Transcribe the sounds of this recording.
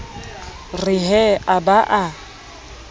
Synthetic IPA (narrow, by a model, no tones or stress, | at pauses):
rɪɦɛabaʔa